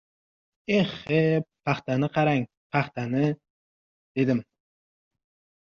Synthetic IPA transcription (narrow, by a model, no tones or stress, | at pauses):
eχepʰːaχt̪anɪqʰɑɾaŋ | pʰɑχt̪anɪ | d̪̥e̞d̪ɪm